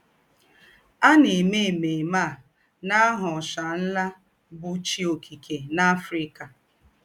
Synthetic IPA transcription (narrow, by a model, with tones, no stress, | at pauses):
a˦nɪ˨me˦˨me˨ma˦˨ | na˦ɦʊ˨ʃa˨n̩˦la˦ | bʊ˨t͡ʃi˦o˨kʰi˨ke˨na˦fɾi˦ka˨